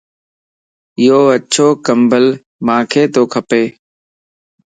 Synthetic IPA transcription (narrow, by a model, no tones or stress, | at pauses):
ɪjoːəʃʰoːkəmbəl | mãːkʰeːt̪oːkʰəpeː